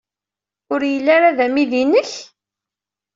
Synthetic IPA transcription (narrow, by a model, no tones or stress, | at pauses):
ʊɾjəlːaɾaðæmiðinəç